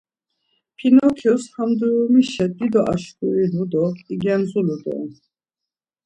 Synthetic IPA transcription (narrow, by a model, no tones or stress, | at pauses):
pʰinɔkʰɔshamd̪uɾumiʃɛd̪id̪ɔʔa̰ʃkʼuinud̪ɔiɡɛnzulud̪ɔ̰n